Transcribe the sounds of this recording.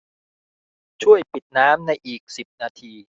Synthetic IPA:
t͡ɕʰu˥˩əjpi˨˩t̪̚naː˦˥mna˧jʔiː˨˩k̚si˨˩p̚naː˧t̪ʰiː˧

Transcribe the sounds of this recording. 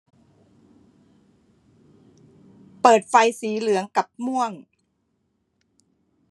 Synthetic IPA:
pɤː˨˩t̪̚fa˧jsiː˩˦lɯ˩˦əŋka˨˩p̚mu˥əŋ

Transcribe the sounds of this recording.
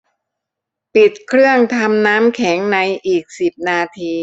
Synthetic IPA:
pi˨˩t̪̚kʰɾɯ˥˩əŋt̪ʰa˧mnaː˦˥mkʰɛ˩˦ŋna˧jʔiː˨˩k̚si˨˩p̚naː˧t̪ʰiː˧

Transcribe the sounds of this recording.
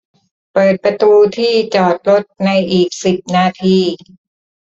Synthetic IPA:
pɤː˨˩t̪̚pɾa˧t̪uː˧t̪ʰiː˥˩t͡ɕɔː˨˩t̪̚lo˦˥t̪̚na˧jʔiː˨˩k̚si˨˩p̚naː˧t̪ʰiː˥˩

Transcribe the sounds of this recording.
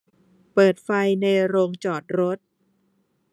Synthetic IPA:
pɤː˨˩t̪̚fa˧jna˧jɾoː˧ŋt͡ɕɔː˨˩t̪̚ɾo˦˥t̪̚

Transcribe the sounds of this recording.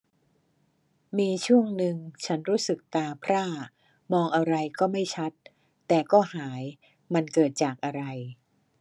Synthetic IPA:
miː˧t͡ɕʰu˥˩əŋnɯ˧ŋt͡ɕʰa˦˥nɾuː˦˥sɯ˨˩k̚t̪aː˧pʰɾaː˥˩ | mɔː˧ŋʔa˧ɾa˧jkɔː˥˩ma˥˩jt͡ɕʰa˦˥t̪ː | ɛː˨˩kɔː˥˩haː˩˦j | ma˧nkɤː˨˩t̪̚t͡ɕaː˨˩k̚ʔa˧ɾa˧j

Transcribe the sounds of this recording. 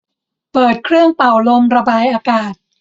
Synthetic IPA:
pɤː˨˩t̪̚kʰɾɯ˥˩əŋpa˨˩wlo˧mɾa˧baː˧jʔaː˧kaː˨˩t̪̚

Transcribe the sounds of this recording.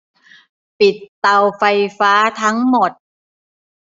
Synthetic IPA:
pi˨˩t̪ːa˧wfa˧jfaː˦˥t̪ʰa˦˥ŋmo˨˩t̪̚

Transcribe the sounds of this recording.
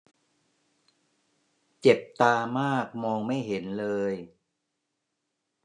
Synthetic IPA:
t͡ɕe˨˩p̚t̪aː˧maː˥˩k̚mɔː˧ŋma˥˩jɦe˩˦nlɤː˧j

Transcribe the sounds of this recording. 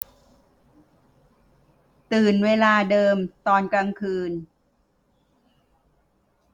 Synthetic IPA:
t̪ɯː˨˩nweː˧laː˧dɤː˧mt̪ɔː˧nkɾa˧ŋkʰɯː˧n

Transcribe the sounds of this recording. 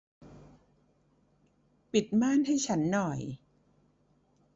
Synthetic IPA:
pi˨˩t̪̚maː˥˩nha˥˩jt͡ɕʰa˦˥nːɔ˨˩j

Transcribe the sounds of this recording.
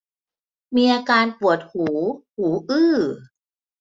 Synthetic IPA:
miː˧ʔaː˧kaː˧npu˨˩ət̪̚huː˩˦huː˩˦ʔɯː˥˩

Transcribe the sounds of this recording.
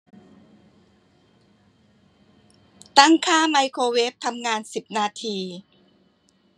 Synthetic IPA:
t̪a˥˩ŋkʰaː˥˩ma˧jkʰoː˧we˦˥p̚t̪ʰa˧mŋaː˧nsi˨˩p̚naː˧t̪ʰiː˧

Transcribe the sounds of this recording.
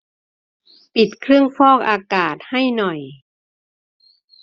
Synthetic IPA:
pi˨˩t̪̚kʰɾɯ˥˩əŋfɔː˥˩k̚ʔaː˧kaː˨˩t̪̚ha˥˩jnɔ˨˩j

